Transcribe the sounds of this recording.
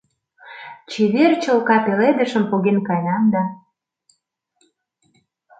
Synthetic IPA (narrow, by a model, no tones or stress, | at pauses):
t͡ɕeβert͡ɕə̆lkɑpeled̪ə̆ʃə̆mpoɣenkɑjɑnd̪ɑ